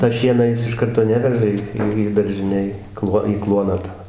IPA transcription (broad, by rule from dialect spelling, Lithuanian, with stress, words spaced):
tɐ ˈʃʲiɛnɑː ˈjɪs ɪʃ ˈkɐrtoː ˈnʲæːʋʲɛʒɐ iː ˈiː ˈiː dɐrʲʒʲɪˈnʲeːj ˈklˠuɔ iː ˈklˠuɔnɑː tɐ